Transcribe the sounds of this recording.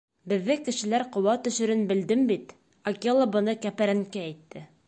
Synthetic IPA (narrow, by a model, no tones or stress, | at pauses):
bɘ̆ðːɘkɘ̆ʃɘ̆læɾqŏwɑt̪ɵ̆ʃɵ̆ɾɘnbɘ̆ld̪ɘmbit̪ | ɐkʲelˠabɤ̆nɤkæpæɾæŋkæːjt̪ːɘ